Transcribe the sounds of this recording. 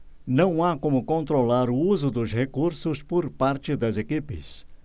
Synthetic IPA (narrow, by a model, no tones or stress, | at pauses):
nɐ̃w̃akõmʊkõnt̪ɾolaɾʊuzʊd̪ʊzhekuɾsʊspoɾpaɾt͡ʃɪd̪ɐzekipɪ̰s